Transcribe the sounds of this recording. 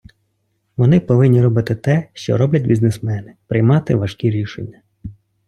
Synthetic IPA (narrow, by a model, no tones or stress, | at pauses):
ʋɔnɪpɔʋɪnʲːiɾɔbɪt̪ɪt̪ɛʃt͡ʃɔ̰ɾɔblʲɐt̪̚ʲbʲiznesmɛnɪpɾɪjmɑt̪ɪʋɐʃkʲiɾʲiʃḛnʲːɐ